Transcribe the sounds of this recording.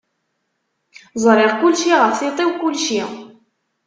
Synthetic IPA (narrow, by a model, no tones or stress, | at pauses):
zˤɾˤɪʁkʊlʃiʁəfθit̪ˤewkʊlʃi